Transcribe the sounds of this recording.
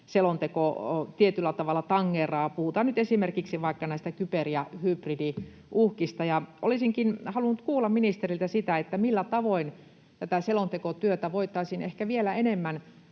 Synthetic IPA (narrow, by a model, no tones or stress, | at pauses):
selont̪ekot̪iet̪ylːæt̪ɑʋɑlːˑɑt̪ɑŋːeːrɑːpuhut̪ɑːnnyt̪esimerkiksiʋɑikːɑnæist̪ækyperjɑhypridi | ʔuhkist̪ɑjɑʔo̰lisiŋkinhɑlunːut̪kuːlːɑmminist̪erilt̪æsit̪æet̪ːæmilːæt̪ɑʋoin | t̪æt̪æselont̪ekot̪yøt̪æʋoit̪ːˑɑisinehkæʋielæenemːæn